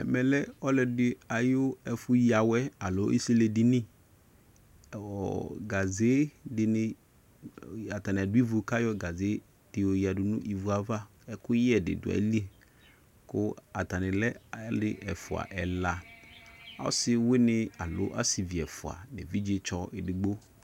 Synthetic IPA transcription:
ɛ̰˨mɛ˨lɛ˦ɔ˦lɛ˨dɪ˦a˨jʊ˦ɛ˨fʊ˦ji˦a˨wɛ˦a˨lʊ˨˦ḭ˦si˦le˨dɪ˦nɪ̃˦˨ | ɔ̰˨ɡa˨ze˦dɪ˨nɪ̃˦˨ | a˨ta˨nɪ̃˨a˨dʊ˦i˦vʊ˨ka˦jɔ˦ɡa˨ze˨˦ | d̥ɪ˨o˨ji˨a˨dʊ˨nʊ̰̃˦ʔi˨vu˨a˨va˦ | ɛ˨kʊ˦jɪ˦ɛ˨dɪ̰˨dʊ̰˨ɛ̰˨˦li˦e˨ | kʊ˦a˨ta˨nɪ̃˨lɛ˦lɪ˦ʔɛ˨fʊ˨a̰˨ʔɛ˨la˨ | a̰˦sɪ˦wɪ˦nɪ̃˦a˨lʊ̰˨˦ʔa̰˦si˨vi˨ɛ˨fʊ˨a̰˨nɪ̰˨vi˦d͡ʒe˦t͡ʃɔ˦ʔɪ˨dɪ˨ɡ͡bo˦

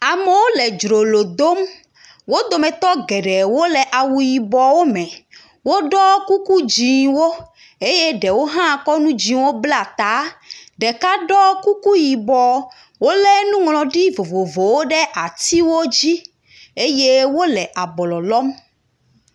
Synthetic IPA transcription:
a˨mɛ˨wo˦lɛ˨d͡ʒɾo˨lo˨d̪o˦m | wo˦d̪o˨mɛ̃˨t̪ɔ˦ɡɛ˨ɖɛ˨wo˦lɛ˨ʔa˨wu˨ji˨bɔ˨wo˦mɛ̃˨ | wo˦ɖɔ˦ku˦ku˦d͡ʑĩ˨wo˦ | e˦je˦ɖɛ˨wo˦ɦã˦˨kɔ˦nũ˦d͡ʑĩ˨wo˦bla˨t̪a˨˦ɖɛ˨ka˦ɖɔ˦ku˦ku˦ji˨bɔ˨ | wo˦lɛ˦nũ˦ŋlɔ̃˨ɖi˦vo˨vo˨vo˨wo˦ɖɛ˦ʔa˨t̪i˦wo˦d͡ʑi˦ | e˦je˦wo˦lɛ˨ʔa˨bɔ˨lɔ˨lɔ˦m

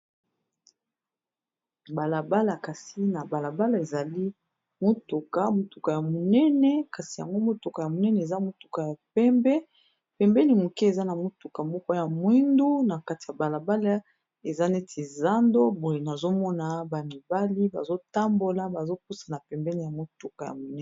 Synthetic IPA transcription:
ba˨la˨ba˦la˨ka˨si˦na˨ba˨la˨ba˦la˦˨e˨za˨li˦ | mo˦tu˨ka˦mo˨tu˨ka˨ja˨mo˨nɛ˦nɛ˦ka˨si˨ja˨ŋɡo˦mo˦tu˨ka˨ja˨mo˨nɛ˦nɛ˨e˨za˦mo˦tu˨ka˨ja˨pɛ˦mbɛ˦ | pɛ˨mbɛ˦ni˨mo˨ki˦e˨za˦na˨mo˦tu˨ka˨mɔ˦kɔ˦ja˨mwi˦ndu˦na˨ka˦ti˨ja˨ba˨la˨ba˦la˦ | e˨za˦ne˦tʰi˨za˦ndo˦bo˨je˨na˨zo˦mɔ˦na˨ba˨mi˨ba˦li˦ba̰˨zo˦ta˦mbo˦la˦ba˨zo˦k̚u˦sa˨na˨pɛ˨mbɛ˦ni˨ja˨mo˨tu˦ka˨ja̰˨mo˨nɛ˦˨

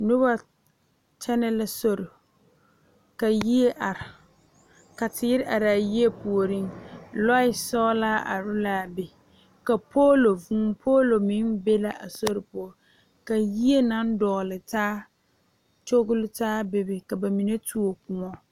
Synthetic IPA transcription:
nʊ˦ba˦ | t͡ʃɛ˦nɛ˦la˨so˦ɾɪ˨ | ka˨ji˦e˦ʔa˨ɾɪ˨ | ka˨tɪ˨˦ɪ˦ɾɪ˦ʔa˨ɾaː˨ji˦e˦pu˨o˨ɾi˦ŋlɔ˦ɪ˦sɔ˦laː˦ʔa̰˨ɾʊ˦laː˦˨bɪ˨ | ka˨pʰoː˦lo˨vũː˦pʰoː˦lo˨mɪ˦nbe˦la˦˨ʔa˨so˦ɾɪ˨pʊ˦ɔ˨ | ka˨ji˦e˦na˦n˦dɔ˨ɣʊ˨lɪ˨taː˦ | t͡ʃo˦ɡʊ˦lɪ˦taː˦bɪ˦bɪ˨ka˨ba˨mi˨ne˦tu˦o˨kʊ˨ŋɔ˦

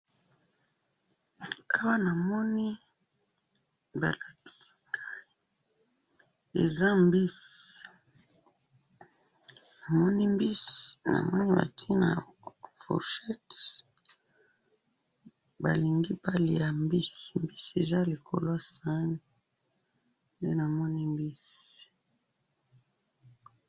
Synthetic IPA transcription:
a˦wa˦na˨mɔ˦ni˦ | ba̰˨la˨ki̥˨si̥˦ɡa˦˨ | ḛ˨za˦mbi˦si˨ | na˨mɔ˦ni˦mbi˦sna̰˨mɔ˦ni˦ba̰˨tʰi˦na̰˨fo̰˨ʃɛ˦t | ba˨li˨ŋɡi˦ba˦li˨ja˨mbi˦si̥˨mbi˦si˨e˨za˦li˨kʰo̰˨lo˦a˨sa˦ni˦ | nde˦na˨mɔ˦ni˦mbi˦si̥

